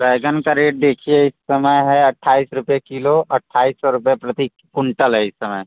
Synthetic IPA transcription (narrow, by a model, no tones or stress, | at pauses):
pɛːɡənkaɾeːʈ̚d̪eːkʰieɪsːəməjɦɛɐʈʰːaːisɾʊpjekiloʔɐʈʰːaːisɔɾʊpjepɾɐt̪i | kʊɳʈəlɦɛɪsːɐməj